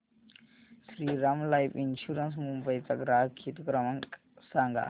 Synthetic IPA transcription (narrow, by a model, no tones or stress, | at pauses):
sɾiːɾɐmlajpinʃuɾəns̬mumbɐjt̪ɐɡɾaːkʰit̪kɾɐmɐŋk | saːŋɡa̰